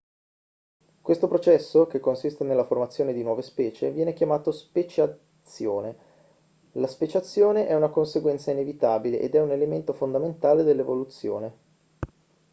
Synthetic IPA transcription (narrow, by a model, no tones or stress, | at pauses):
kwest̪opɾot͡ʃɛsːokekːonsist̪enelːaformat̪sːjoːned̪inwɔːvespɛːt͡ʃevjɛːnekjamaːt̪ospet͡ʃa | sːjoːne | laspet͡ʃat̪sːjoːneʔɛunakonseɡwɛnt̪sainevit̪aːbilḛʔḛd̪ɛunelement̪ofond̪ament̪aːled̪elːevolut̪sːjo̰ːne